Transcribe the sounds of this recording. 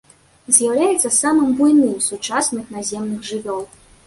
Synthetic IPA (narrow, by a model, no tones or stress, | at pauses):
zʲjawlʲajɛt̪sɐsamɨmbujnɨmsut͡ʂasnɨxnazʲɛmnɨxʐɨvʲɔlˠ